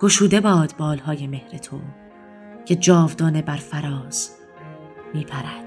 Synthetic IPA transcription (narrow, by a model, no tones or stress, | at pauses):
ɡ̥oʃuːd̪e̞bɒːd̪̥bɒːlhɒːje̞me̞hɾet̪ʰon | cʰe̞d͡ʒɒːvd̪ɒːne̞bæɾfæɾɒːz̥ | miːpʰæɾæd̪̥